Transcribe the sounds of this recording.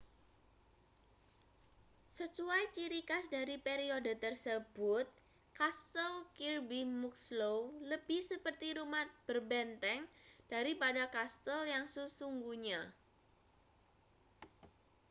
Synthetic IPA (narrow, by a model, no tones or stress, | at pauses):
sət͡ʃuajt͡ʃiɾikasdaɾipeɾiodət̪ərsəb̥ʊt̪̚ | kast̪əlkirbimuk̚slowləbɪhsəpərt̪iɾumat̪̚b̥ərbɛnt̪ɛŋd̥aɾipadakast̪əljaŋsəsuŋɡuɲa